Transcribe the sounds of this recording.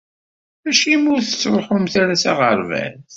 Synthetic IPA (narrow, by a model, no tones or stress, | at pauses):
æʃimʊɾθət͡sːɾˤoħʊmθaɾæsaʁəɾˤvæ̰nθ